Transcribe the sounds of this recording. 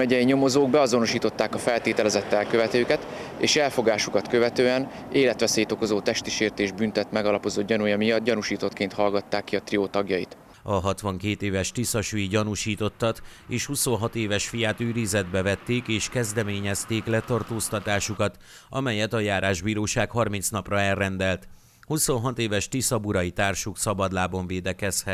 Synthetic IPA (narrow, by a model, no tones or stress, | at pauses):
mɛɟɛjiɲo̞mo̞zoːɡ̚bɛɒzo̞no̞ʃiːt̪o̞t̪ːaːkɒfɛlt̪eːt̪ɛlɛzɛt̪ːɛlkøvɛt̪øːkɛt̪ḛːʃɛlfo̞ɡaːʃukɒt̪køvɛt̪øːɛn | eːlɛt̪ʋɛseːt̪o̞ko̞zoːt̪ɛʃt̪iʃeːrt̪eːʒbynt̪ɛt̪mɛɡɒlɒpo̞zod̪ɟɒnujɒmijɒd̪̚ɟɒnuʃiːt̪o̞t̪keːnt̪hɒlɡɒt̪ːaːkːiɒt̪rioːt̪ɒɡjɒjḭt̪ | ɒɦɒt̪ʋɒŋkeːt̪eːvɛʃt̪isɒʃiɟɒnuʃiːt̪o̞t̪ːɒt̪ | eːʃhuso̞nɦɒt̪eːvɛʃfijaːt̪yːɾizɛd̪bɛvɛt̪ːeːkeːʃkɛzd̪ɛmeːɲɛst̪eːklɛt̪ɒrt̪oːst̪ɒt̪aːʃukɒt̪ | ɒmɛjɛt̪ɒjaːɾaːʒbiːɾoːʃaːkhɒrmint̪snɒprɒɛrːɛnd̪ɛlt̪ | huso̞nɦɒt̪eːvɛʃt̪isɒbuɾɒjit̪aːrʃuksɒbɒd̪laːbo̞ɱveːd̪ɛkɛshɛt̪